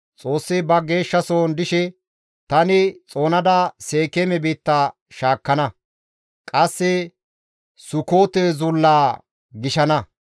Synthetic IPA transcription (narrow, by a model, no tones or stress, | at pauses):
t͡sʼo̞ːsːɪbɐɡe̞ːʃːɐsoːnd̪ɪʃɛ | t̪ɐnɪt͡sʼo̞ːnɐd̪ɐse̞ːkemɛbiːt̪ːa | ʃaːkːɐnɐ | kʼɐsːɪ | sʊkoːt̪ezʊlːaː | ɡɪʃɐnɐ